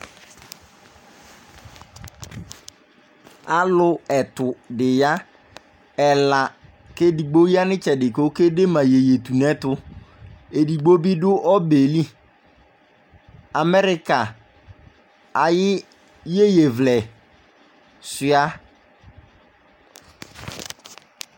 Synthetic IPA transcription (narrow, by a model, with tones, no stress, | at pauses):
a˦lʊ˦ɛ˨tʊ˨dɪ˨ja˦ | ɛ˨la˨ | ke˦di˨ɡ͡bo˦i˦a˦nɪ̃˦t͡ʃɛ˨dɪ˨ko˦ke˦de˦mã˨je˨je˨tu˨nɛ˦tʊ˦ | e˨di˨ɡ͡bo˦bi˦dʊ˦ʔɔ˦be˨li˦ | a˨mɛ˦ɾɪ˦ka˨ | a˨jɪ˦ | je˦je˨vlɛ˨ | sɪ˨˦a˦